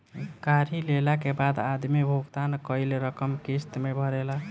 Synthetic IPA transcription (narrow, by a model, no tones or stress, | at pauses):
kaɾilelakebad̪ad̪mibʱuɡt̪ankəɪlɾəkəmkist̪mebʱəɾela